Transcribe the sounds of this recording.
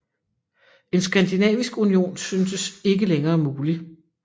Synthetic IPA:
e̝nsɡ̥ænd̥inɛ̰ːʋisɡ̥unio̝̰ːnsynsəse̝ɡ̥əleŋɐːmuːli

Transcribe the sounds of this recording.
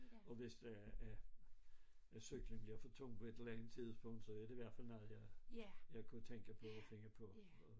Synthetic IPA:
ɒ̽ʋe̝sd̥ɑ̈æ | æɐsyɡ̥liŋb̥liɐfɒt͡sʰɔŋ̰pʰɒ̽e̝d̥elɐlænð̩ˠt͡sʰið̰ˠsb̥ɔ̽ŋ̰d̥sɒ̽æɐd̥eʋæɐ̰fæl̰nɔð̩ˠjɑɪjɑ̈ɪkʰut͡sʰeŋ̰ɡ̥əpʰɒ̽ɒfeŋ̰ɐpʰɒ̽

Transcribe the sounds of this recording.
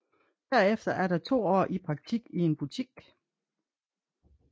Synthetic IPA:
d̥æɐefd̥ɐʔæɐɾɑ̈t͡sʰo̝̰ːɒ̰ːʔipʰʁɑ̈ɡ̥̚t͡sʰiɡ̥ie̝nb̥ut͡sʰiɡ̥

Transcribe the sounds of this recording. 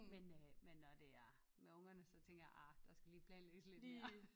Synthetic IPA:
menmenːɒd̥e̝æɐ | meɔ̽ŋ̰ɐnəsɒ̽t͡sʰeŋ̰ɡ̥ɐjɑ̰ʔɑd̥ɑsɡ̥æliːpʰlɛːnlḛ̥ːsle̝dmeɐ

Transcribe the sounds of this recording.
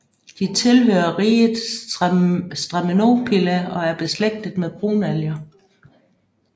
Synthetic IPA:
d̥it͡sʰe̝lɦø̰ːɐʁiːðˠ | sd̥ʁɑmino̝̰pʰilæɒ̽æɐb̥e̝sleɡ̥̚d̥əð̩ˠmeðˠb̥ʁṵːnæljɐ

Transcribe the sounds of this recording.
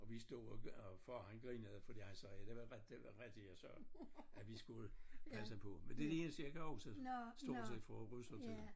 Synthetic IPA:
ɒ̽ʋisd̥o̝̰fɒhænɡ̥ʁḭːneð̩̰ˠfɒd̥iɑ̈ɪsəd̥eʋɑʁɛ̥ | ʁɛ̥d̥ijɑsɶɐ̰æʋisɡ̥uləpʰæsəpʰɔ̽mend̥ed̥ee̝nəsiɐkəɒʊsʰeð̰ˠsd̥o̝̰ːse̥fɒʁyslət͡se

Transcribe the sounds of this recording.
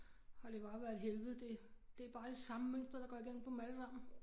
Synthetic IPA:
hɑ̈d̥e̝b̥ɑ̈ːʋæɐð̩ˠɦelʋð̩ˠd̥e̝d̥e̝æb̥ɑ̈ːd̥e̝sɑ̈məmøn̰sd̥ʁɐɾ̥ɑ̈ɡ̥ɒiɡ̥enm̩pʰɒ̽mælsɑ̈m̰n̩

